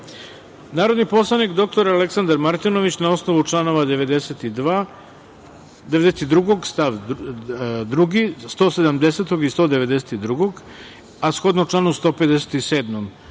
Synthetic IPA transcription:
naːɾo̞d̪nipo̞slˠanikd̪o̞k̚t̪o̞ɾaleksand̪aɾmaɾt̪ino̞ʋit͡ɕnao̞sno̞ʋut͡ʂlˠano̞ʋad̪eʋed̪eset̪id̪a | d̪eʋe̞d̪eset̪id̪ɾuɡo̞ɡst̪aʋ | d̪ɾuɡist̪o̞ːse̞d̪amd̪e̞set̪oɡist̪oːd̪eʋe̞d̪eset̪id̪ɾuɡoɡ | asxo̞d̪noʈ͡ʂlˠaːnust̪o̞ːpe̞d̪eset̪iseːd̪mom

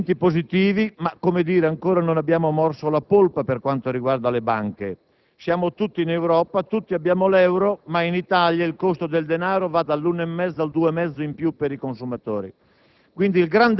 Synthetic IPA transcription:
nt̪ipozit̪iːvimakːomed̪iːɾeaŋkoːɾanonabjaːmomɔrsolapolpaperkwant̪oɾiɡward̪alebaŋke | sjaːmot̪ut̪ːinewɾɔːpat̪ut̪ːiabːjaːmolɛwɾomainit̪aljailkost̪od̪eld̪enaːɾovad̪alːunoemːɛd̪zːald̪uːemɛd̪zːoimpjupːeɾikonsumat̪oːɾḭ | kwind̪ilɡɾand̪

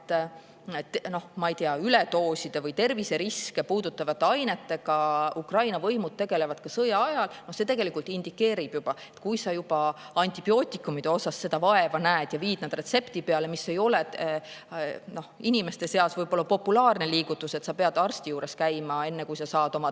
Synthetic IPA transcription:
t̪ː | no̞hmɑijt̪eɑylet̪o̞ːsid̪̥evɤjt̪e̞rvise̞ɾiske̞puːd̪ut̪ːˑɑvɑt̪ːeɑjne̞t̪ːe̞ɡ̥ɑukrɑjnɑvɤ̞jmud̪̥̚t̪e̞ɡe̞le̞vɑd̪̥̚kɑsɤjɑɑjɑlno̞hse̞ːt̪e̞ɡ̥e̞likult̪ˑind̪ikːe̞ːɾib̥jub̥ɑe̞t̪ːkujsɑjub̥ɑ | ɑnʲt̪ʲib̥io̞ːt̪ʲːˑikˑːumid̪̥e̞o̞sɑsːe̞d̪ɑvɑe̞vɑnæːd̪̥jɑviːd̪̥nɑd̪̥re̞t̪se̞pt̪ipeɑle̞misːe̞jo̞lɛ | no̞hinʲime̞st̪e̞seɑsvɤjb̥o̞lːɑpo̞pːulɑːrneliːɡ̥ut̪ːˑuse̞t̪sɑpe̞ɑd̪̥ɑrst̪ijuːɾe̞skæjmɑe̞nːekujsɑsɑːd̪o̞mɑ

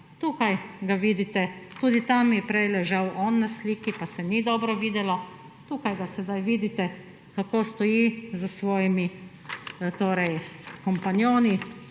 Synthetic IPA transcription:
t̪uːkajɡaʋiːd̪it̪ɛt̪uːd̪it̪amjɛpɾɛjlɛʒawʔɔnːasliːkipasɛnid̪ɔːbɾɔʋiːd̪ɛlɔ | t̪uːkajɡasɛd̪ajʋiːd̪it̪ɛ | kakoːst̪ɔjizəsʋɔːjimi | t̪oːɾɛjkɔmpanjoːni

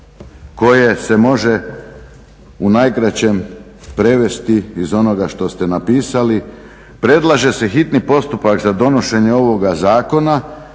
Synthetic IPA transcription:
ko̞je̞se̞mo̞ʒe̞ | unajkɾat͡ɕe̞m | pɾe̞ʋe̞st̪iːzo̞no̞ɡaʃt̪o̞st̪e̞napiːsali | pɾe̞d̪lˠaʒe̞se̞xit̪nipo̞st̪upakzad̪o̞no̞ʃe̞ɲe̞o̞ʋo̞ɡazaːko̞na

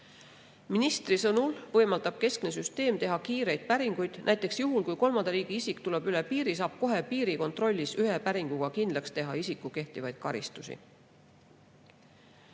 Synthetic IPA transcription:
minist̪risɤnulvɤ̞jmɑld̪̥ɑb̥̚ke̞skne̞syst̪e̞ːmt̪e̞ɦɑkiːɾe̞jd̪̥̚pæɾiŋɡ̥ujd̪̥næjt̪ˑeksjuɦulkujko̞lmɑnd̪ɑɾiːɡ̥iisikt̪uleb̥ylepiːɾis̬ɑːb̥̚ko̞ɦe̞piːɾiko̞nt̪ˑro̞lʲːisyɦepæɾiŋɡ̥uɡ̥ɑkind̪̥lɑkst̪e̞ɦɑisikːˑuke̞ht̪ivɑjd̪̥̚kɑɾḭst̪usḭ

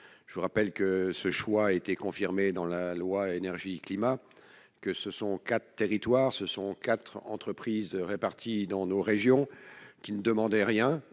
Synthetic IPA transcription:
ʒ̥uʁapɛlkəsəʃwaet̪ɛkɔ̃fiʁmed̪ɑ̃lalwaenɛʁʒiklima | kəsəsɔ̃kat̪χət̪eʁit̪waːʁsəsɔ̃kat̪χɑ̰̃t̪χəpχizʁepaʁt̪ʰid̪ɑ̃noʁeʒjɔ̃kʲinəd̪əmɑ̃d̪ɛʁjɛ̃

